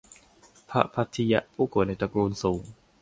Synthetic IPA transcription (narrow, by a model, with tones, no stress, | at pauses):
pʰa̰˦˥ʔpʰa˦˥t̪ʰːi˧ja˦˥ʔpʰuː˥˩ku˨˩˦tna˧jt̪a˧kɾuː˧nsuː˩˦ŋ